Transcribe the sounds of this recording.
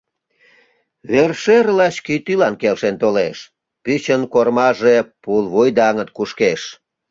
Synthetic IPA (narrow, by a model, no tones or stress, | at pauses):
βerʃerlɑɕkit̪ylɑnkelʃent̪oleʃ | pyt͡ɕənkormɑʒepulβujd̪ɑŋət̪̚kuʃkeʃ